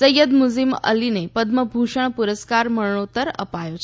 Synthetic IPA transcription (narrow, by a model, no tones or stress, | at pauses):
səjəd̪mud͡zlimə̰linepəd̪məbʱuʂəɳ̃puɾəskaɾməɭɳot̪əɾə̰pajot͡ɕʰ